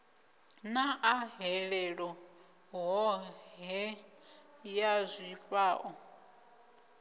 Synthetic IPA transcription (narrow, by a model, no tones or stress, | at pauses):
naʔaɦɛɺɛɺɔ | ɦɔɦɛ | jazʷifaːʔɔ